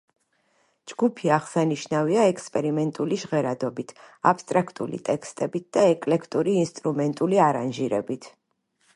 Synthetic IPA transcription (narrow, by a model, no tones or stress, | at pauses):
d͡ʒɡupʰiaʁsaniʃnaviaɛkspʼɛɾimɛnt̪ʼuliʃʁɛɾad̪ɔbit̪ʰa̰pʰst̪ʼɾakʰt̪ʼṵlḭt̪ʼɛkʰst̪ʼɛbit̪̚d̪̥aɛkʼlɛkʰt̪ʼuɾiːnst̪ʼɾumɛnt̪ʼuliaɾanʒiɾɛ̰bit̪ʰ